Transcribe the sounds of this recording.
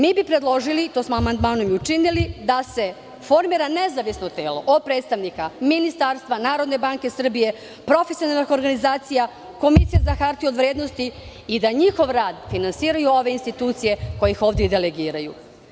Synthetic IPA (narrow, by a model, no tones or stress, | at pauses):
miːbipɾe̞d̪lˠo̞ʒilit̪osmoamand̪maːnomiut͡ʃinilid̪ase̞ | fo̞ɾmiːɾanezaʋisnot̪e̞ːlo̞ʔod̪̚pɾe̞ːt̪st̪aʋnikaminist̪aːɾst̪ʋanaːɾo̞d̪ne̞baːŋke̞sr̩bije̞ | pɾo̞fesio̞nalnixo̞ɾɡanizaːt̪sija | ko̞misijezaxaɾt̪io̞d̪ʋɾeːd̪no̞st̪iː | d̪aɲixo̞ʋɾaːd̪finansiːɾajuo̞ʋe̞inst̪it̪uːt̪sije̞ko̞jixo̞ːvd̪jed̪eleɡiːɾaju